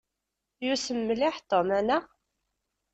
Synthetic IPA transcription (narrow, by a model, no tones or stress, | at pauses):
jusəmːlɪħt̪omænæ